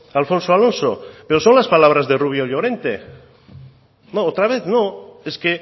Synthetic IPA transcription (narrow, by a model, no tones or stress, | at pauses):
alfõ̞nsoalo̞nsopeɾosõ̞nlaspalaβ̞ɾazðe̞ruβ̞joʎoɾe̞nt̪e | noot̪ɾaβ̞eθnoeske